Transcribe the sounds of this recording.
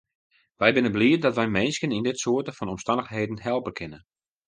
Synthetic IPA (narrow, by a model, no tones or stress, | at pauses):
ʋɛjbɪnəbliədɔtʋɛjmenskənindɪtsoətəfɔnɔmstandəxheːdən̩hɛlˠpəkʰɪnə